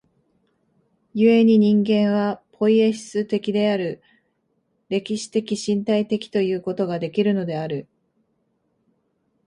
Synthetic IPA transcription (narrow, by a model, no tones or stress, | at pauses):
jɯ̟e̞ɲ̟iɲ̟ĩŋɡẽ̞ɰ̃βapʰo̞ieɕi̥sɨt̪e̞kʲid̪e̞aɾɯ̟ | ɾe̞kʲiɕi̥t̪e̞kʲiɕĩnt̪ait̪e̞kʲi̥t̪o̞jɯ̟ːko̞t̪o̞ɡad̪e̞kʲiɾɯ̟no̞d̪e̞aɾɯ̟